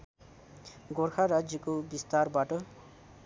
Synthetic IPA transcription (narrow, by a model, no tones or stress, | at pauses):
ɡorkʰaɾad͡zjʌkobist̪arbaʈʌ